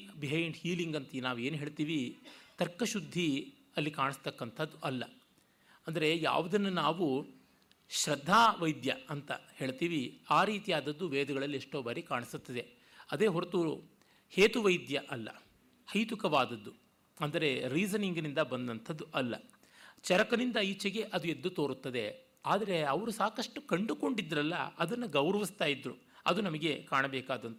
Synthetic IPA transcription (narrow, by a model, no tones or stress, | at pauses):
biɦɐjɳɖhiːliŋɡɐnt̪ɐinaːʋue̞ːnɦe̞ːɭt̪iːʋit̪ɐɾkːɐʃud̪ʱːi | ɐlːikaːɳist̪ɐkːɐnt̪ʰɐd̪ːuʔɐlːɐ̰ | ɐnd̪ɐɾe̞ja̰ːʋud̪ɐnːunaːʋu | ʃɾɐd̪ʱːaːʋɐjd̪jɐɐnt̪ɐhe̞ːɭt̪iːʋiaːɾiːt̪ijaːd̪ɐd̪ːuʋeːd̪ɐɡɐɭɐlːieʂʈo̞ːbɐɾikaːɳisut̪ːɐd̪e̞ | ɐd̪e̞ːɦɔɾɐt̪uːṵ | heːt̪uʋɐjd̪jɐʔɐlːɐ̰ | hɐjt̪ukɐʋaːd̪ɐd̪ːu | ɐnd̪ɐɾe̞ɾiːzɐniŋɡnind̪ɐbɐnd̪ɐnt̪ʰɐd̪ːuʔɐlːɐ̰ | t͡ʃɐɾɐkɐnind̪ɐit͡ʃɐɡe̞ʔɐd̪ue̞d̪ːut̪o̞ːɾut̪ːɐd̪e | aːd̪ɐɾe̞ɐʋɐɾusaːkɐʂʈukɐɳɖuko̞ɳɖid̪ːɐɾɐlːɐɐd̪ɐnːuɡɐwɾɐʋist̪aːjid̪ɾu | ɐd̪unɐmɐɡe̞kaːɳɐbɛːkaːd̪ɐnt̪